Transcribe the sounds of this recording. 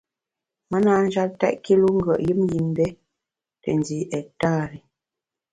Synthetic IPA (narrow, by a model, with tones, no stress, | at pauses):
mə˦naː˦n̩˦d͡ʒa˦ltɛ̰˦ʔki˦lu˦ŋ̩˦ɡə̰˨ʔji˦mji˨m˦bɛ˦ | tə˨ndi˨˦ʔɛ˨taː˦ɾi˨